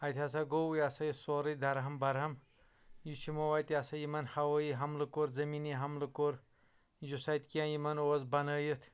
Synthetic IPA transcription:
ɐjt̪ʰʲas̬aɡowujasɐjisoɾɨd̪ɐɾɦɐmbɐɾɦɐm | jit͡ʃʰumowaːjt̪iasɐjimɐnhɐwɐjiɦɐmlɨkoɾzɐminiɦɐmlɨkoɾ | jusɐjt̪ʲkiãːjimɐnoːzbɐnɐːjit̪ʰ

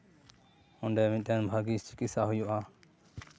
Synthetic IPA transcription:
ɔɳɖɛmit̪̚ˀɛnbʱaɡist͡ʃi̥kit̪saɦujɔʔa

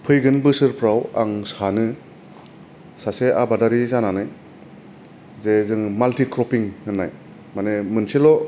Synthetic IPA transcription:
pʰɯjɡɯnbɯsɯɾpʰɾawa̰ŋsanɯ | saseʔa̰badaɾizananaj | zezɯŋmaltikɾɔpiŋhɯnːa̰j | manemɯnselɔ

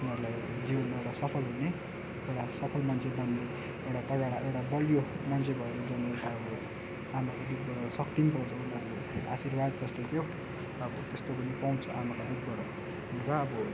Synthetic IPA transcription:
unʌɾulaj | d͡zibʌnmaewɽʈasʌpʰʌlɦunne | ewʈasʌpʰʌlmant͡sʰebʌnːe | ewʈat̪ʌɡaɽaʔewʈabʌljo | mant͡sʰebʱʌekod͡zʌneekaeo | amʌkod̪ud̪̚ɡʌɾsʌkʈimpaw̃t͡sʰʌ̃unʌɾule | a̰sirbad̪̚d͡zʌst̪et̪ʰjo | ʌbʌt̪est̪opʌnipaw̃t͡sʰʌʔamakad̪ud̪̚ɡʌɾo | unt͡sʰʌːbʌ

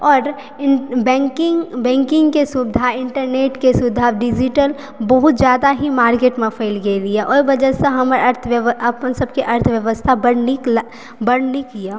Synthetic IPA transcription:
ɔːɾ | bɛ̃kɪŋbɛ̃ːŋkɪ̃ŋɡkesʊbɪd̪ʱaɪ̃ɳʈəɾneːʈkesʊd̪ʱaɖɪd͡ʒɪʈəl | bɐɦʊt̪d͡ʒjaːd̪aɦimaːɾkeːʈmẽfʰeːlɡeliaʔɔːibɐd͡ʒəseɦɐmɐɾt̪ʰʋɐpnsɐb̚kiʔɐɾt̪ʰʋjɐʋəst̪ʰabɐɽnik | bɐɽnikijaː

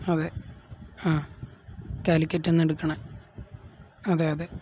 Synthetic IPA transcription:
ɐðe | aː | kaːlikʲːɐtːenːeɽukːɐɳɐ | ɐðeːjɐðe

